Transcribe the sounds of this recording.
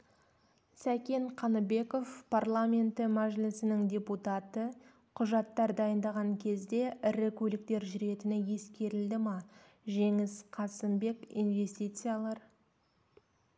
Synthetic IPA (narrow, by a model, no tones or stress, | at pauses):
sækʲe̞nqʰɑnəbe̞ko̞fpʰarlˠamʲe̞nt̪ɪmæʒlɪsɪnɪŋdʲe̞put̪ɑt̪ə | qʰʊʒɑt̪ːɑɾd̪ɑjənd̪ɑʁɑŋkʲʰe̞zd̪e̞ʔɪɾɪkʲʰɵlɪk̚t̪e̞ɾʒʏɾe̞t̪ɪnɪje̞skʲe̞ɾɪld̪ɪmɑ | ʒe̞ŋɪsqʰɑsəmbe̞kḭnve̞st̪ʲit̪sɨjalˠɑɾ